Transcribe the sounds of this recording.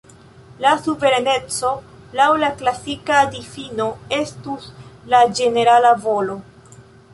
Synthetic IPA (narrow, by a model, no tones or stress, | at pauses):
lasuve̞ɾane̞t͡so̞ | lawlaklasikaːdifino̞e̞stuslad͡ʒe̞ne̞ɾalavo̞lo̞